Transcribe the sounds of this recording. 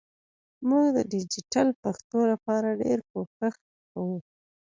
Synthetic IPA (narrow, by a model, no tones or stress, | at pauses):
muɡd̪əɖɪd͡ʒiʈalpaxt̪olapɑɾaɖeɾkokax | kawu